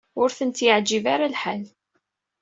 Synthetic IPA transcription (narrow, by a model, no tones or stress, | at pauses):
ʊɾθənt̪jəʕd͡ʒivaɾalħal